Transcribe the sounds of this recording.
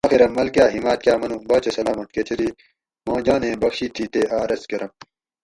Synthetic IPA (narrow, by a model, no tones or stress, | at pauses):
aːxiɾɐmːɐlkjaːɦimaːt̪̚kjaːmɐnubɐːt͡ɕɐsɐlaːmɐt̪̚ket͡ɕʰɐɾiː | mãːd͡ʑãːnẽːbɐkɕiːt̪ʰːiːt̪eːʔaːɾɐskɐɾɐm